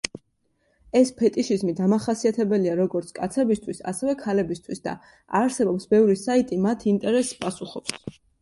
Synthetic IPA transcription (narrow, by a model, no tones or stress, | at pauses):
ɛspʰɛt̪ʼiʃizmid̪amaχasiat̪ʰɛbɛliaɾɔɡɔɾt̪sʰkʼat̪sʰɛbist̪ʰwisa̰sɛvɛkʰalɛbist̪ʰwisd̪a̰ | aɾsɛbɔpsbɛvɾisait̪ʼimat̪ʰint̪ʼɛɾɛsːpʼasuχɔps